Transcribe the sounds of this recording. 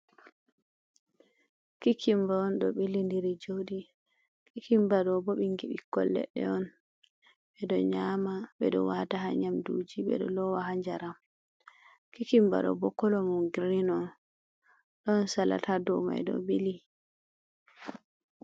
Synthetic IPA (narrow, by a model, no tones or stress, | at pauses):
kikʰimbaːnɗɔɓilindiɾid͡ʒoɗi | kikimbaɗɔbɔɓiŋɡiɓikːɔ̰lːɛ̰ɗɛ̰ɔn | ɓɛɗɔɲamaɓɛɗɔ̰wataɦa̰ɲamdṵd͡ʒiɓɛ̰ɗɔ̰lɔwahaɲd͡ʒaɾam | kikimba̰ɗɔ̰bɔkɔlɔmuɡɾinɔn | ɗɔnsala̰tʰadɔ̰ma̰jɗɔ̰ɓili